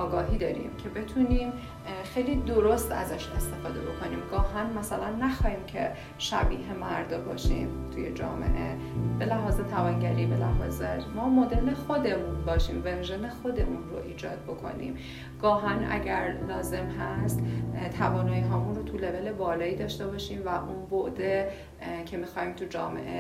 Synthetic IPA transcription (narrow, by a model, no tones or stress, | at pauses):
ɒːɡɒːɦiːd̪ɒːɾḭmcʰe̞be̞t̪ʰuniːm | xe̞jliːd̪o̞ɾo̞st̪æ̰zæʃe̞st̪e̞fɒːd̪e̞̰bo̞kʰo̞niːmɡɒːɦænmæsælænːæxɒːhiːmcʰe̞ | ʃæ̰bḭːɦe̞mæɾd̪ɒbɒːʃḭːmt̪ʰuje̞̰d͡ʒɒ̰ːme̞̰ʔe̞̰ | be̞læɦɒːze̞t̪ʰævɒːnɟæɾiːbe̞læ̰ɦɒːzemɒːmod̪e̞ɾnexo̞d̪e̞munbɒːʃiːmvenʒene̞xo̞d̪e̞munro̰ʔiːd͡ʒɒːd̪̚bo̞kʰo̞̰nḭːm | ɡ̥ɒːɦænʔæ̰ɟæɾlɒːze̞mɦæst̪t̪ʰævɒːnɒːjiɦɒːmunɾot̪ʰule̞ve̞lebɒːlɒːiːd̪ɒːʃt̪e̞bɒːʃiːmvæʔunvoʔd̪e | cʰe̞mixɒːhiːmt̪ʰud͡ʒɒ̰ːme̞̰ʔe